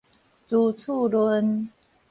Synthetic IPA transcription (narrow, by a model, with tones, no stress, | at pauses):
t͡su˨˩t͡sʰu˥˧lwə˧˦n